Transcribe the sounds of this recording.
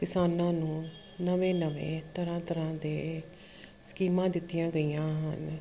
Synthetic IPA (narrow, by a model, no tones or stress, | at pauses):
kɪsaːnãːnũː | nəʋẽːnəʋḛ̃ːt̪əɾãːt̪əɾãːd̪eː | sə̥kiːmãːd̪ɪt̪ːijãːɡəiːjãːɦən